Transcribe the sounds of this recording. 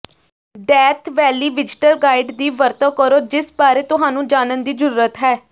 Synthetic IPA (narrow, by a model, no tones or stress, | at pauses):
ɖɛːt̪ʰʋɛːliːʋɪd͡ʒɪʈəɾɡaːɪɖd̪iːʋəɾt̪ə̃ːkəɾoːd͡ʒɪsbaːɾeːt̪ʊɦaːnũːd͡ʒaːnənd̪iːd͡ʒəɾuːɾət̪ɦɛː